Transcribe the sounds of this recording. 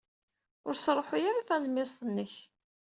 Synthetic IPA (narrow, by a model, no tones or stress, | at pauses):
ʊɾsɾˤoħʊjaɾaθæləmːɪsˤt̪ənːəç